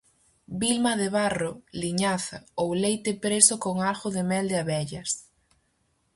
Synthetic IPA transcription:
bilmɐðɪβarʊliɲaθɐowlejt̪ɪpɾesʊkoŋalɣʊðɪmɛld̪ɪaβɛʎɐs

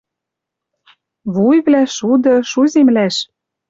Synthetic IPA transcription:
βujβlæʃud̪ɤ̆ʃuzʲemlæʃ

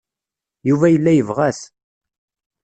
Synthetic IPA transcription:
juvæjəlːæjəvʁæs

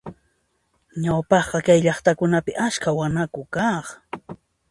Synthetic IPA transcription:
ɲawpɑχqɑkajʎɑχt̪akʊnapɪʔat͡ʃkawanakʊkɑχ

